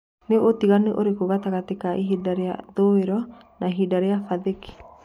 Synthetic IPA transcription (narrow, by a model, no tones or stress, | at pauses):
neot̪iɣaneʔoɾekoɣat̪aɣat̪ekaʔiɦidaɾea̰ðoeɾɔ | naɦidaɾeafaðeki̥